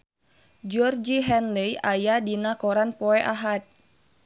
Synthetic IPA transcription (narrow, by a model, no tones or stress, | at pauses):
d͡ʒɔrd͡ʒiɦɛnləjʔajadinakɔɾanpɔɛʔaɦat̪̚